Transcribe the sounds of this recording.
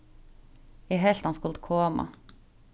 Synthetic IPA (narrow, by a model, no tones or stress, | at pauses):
ɛɦɛlt̪hɑnskʉlt̪kʰoːmɑ̰